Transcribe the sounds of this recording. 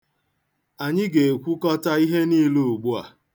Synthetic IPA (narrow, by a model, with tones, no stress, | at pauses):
a˨ɲɪ˦ɡe˨e˨kʷu˦kɔ˦ta˦i˦ɦe˦ni˦lu˦ʊ˨ɡ͡bu˦a̰˨